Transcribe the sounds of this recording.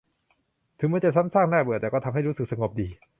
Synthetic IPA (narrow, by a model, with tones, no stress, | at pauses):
t̪ʰɯ˨˦mɯ˧˥t͡ɕa˨˩sa˦˥msaː˥˩ŋnaː˥˩bɯ˨˩t̪ɛː˨˩kɔ˥˩˧mɦa˥˩jɾu˦˥sɯ˨˩k̚sa˧ŋo˨˩p̚diː˧